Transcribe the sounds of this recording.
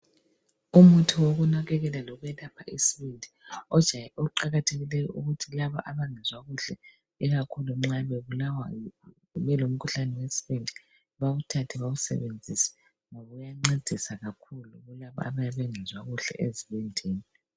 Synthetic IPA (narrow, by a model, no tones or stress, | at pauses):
umutʰiwoɣunaɣɛɣɛlalɔɣuɛlapʰaʔisiβindʱiɔd̥ʒ̥ʱajɛʔɔuǃaɣatʰeɣilɛjɔʔuɣutʰilaβaʔaβaŋɛzwaɣuɬɛ | ɛɣakʰuluŋ͡ǁaβeβulawajɔ | βɛlom̩kʰuɬanɛwesi̥βindʱi̥ | βaɣutʰatʰɛβaɣusɛ̰βend͡zʱisḁ | ŋoβɔujaŋ͡ǀed̥ʱisaɣakʰuluɣulaβa̰a̰βajaβɛŋʱɛzwaɣuɬɛ̰ʔeziβɛndʱeːni